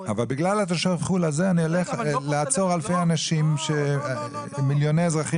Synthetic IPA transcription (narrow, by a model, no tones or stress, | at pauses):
avalbiɡlalat̪eʃavχulazeanioleχleat͡so̞ʁalfejanaʃimʃe | miljonejezʁaχi